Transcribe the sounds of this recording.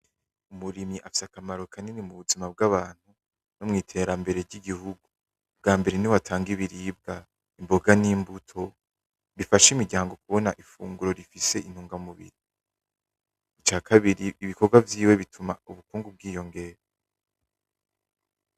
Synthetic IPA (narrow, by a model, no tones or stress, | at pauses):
umuɾimɲiʔafi̥sakamaɾo̞kʰaninimuβuzimab̚ɡaβaːn̥hu | nomŋiːtʰe̞ɾambe̞ɾe̞ɾɟiɡihuɡu | b̚ɡaːmbe̞ɾe̞niwatʰaːŋɡiβiɾiːb̚ɡa | imbo̞ɡaniːmbutʰo̞ | βifaʃimiɾɟaːŋɡo̞k̚uβo̞naʔifuːŋɡuɾo̞ɾifise̞ʔin̥huːŋɡamuβḭɾi | it͡ʃaːkʰaβiɾiːβikoɡwavjiːwe̞βitʰumauβukuːŋɡub̚ɡiːjo̞ŋɡe̞ːɾa